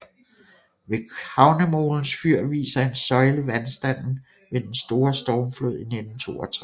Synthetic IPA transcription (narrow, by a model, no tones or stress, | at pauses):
ʋe̝khɑ̈ʊnəmo̝̰ːln̩sfyɐ̰ʋḭːsɐe̝nsɒ̽ɪləʋænsd̥æn̰n̩ | ʋe̝d̥ensd̥o̝ːɐsd̥ɒːmflo̝ð̞̰ˠine̝d̥n̩t͡sʰo̝̰ːɒt͡sʰʁ